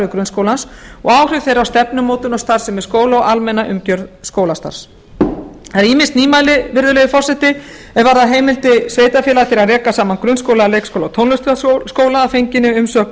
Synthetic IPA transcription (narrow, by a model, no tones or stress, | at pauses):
ʏkɾʏnskowlansɔ̰ɣaːwr̥ʏvθejɾawst̪ɛpnʏmoːwt̪ʏnɔst̪aɾ̥sɛmɛɾ̥skoːwlaɔalmɛnaʔʏmcœɾðskoːwlast̪a̰ɾ̥s | θaɾiːmɪnst̪niːmajlɪvɪɾðʏleːjʏfɔr̥sɛt̪ɪ | ɛðvaɾðaɦeːjmɪlt̪ɪsveːjt̪afɛlat̪ɪɾaðrɛːkasaːmankɾʏnskowlaleːjkskʰowlawt̪ʰownlʏst̪askoːwlaafejɲcɪnːɪʏmsœːk